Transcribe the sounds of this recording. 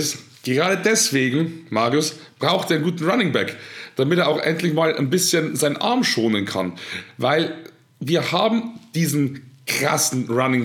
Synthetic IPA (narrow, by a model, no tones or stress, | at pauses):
s | ɡ̥əʁaːdədɛsv̥eːɡŋ̩maːʁʊsb̥ʁaʊxteːnɡuːtn̩ʁanɪŋbɛkd̥amɪteːɐʔaʊxʔɛ̰ntlɪçmaːlʔa̰ɪnbɪsçənzaɪnənʔa̰ɐmʃoːnənkʰa̰nvaɪl | viːɐhaːbm̩d̥iːzn̩kʁ̥a̰sn̩ʁanɪŋ